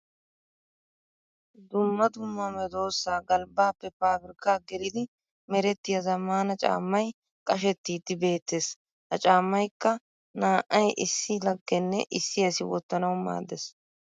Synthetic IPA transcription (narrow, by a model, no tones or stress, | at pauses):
d̪ʊmːɐd̪ʊmːɐmɛd̪oːsːaːɡɐlbaːpːɛpaːbɪɾkːaːɡɛɾɪd̪ɪ | mɛɾɛt̪ːɪjɐzɐmːaːnɐt͡ʃʼa̰ːmːɐj | kʼɐʃɛt̪ːiːd̪ɪbe̞ːt̪ːeːs | hɐt͡ʃʼaːmːɐjkːɐ | naːʔʔɐjʔɪsːɪlɐɡːɛnːɛʔɪsːɪɐsɪwɔ̰t̪ːɐnɐwma̰ːd̪ːɛs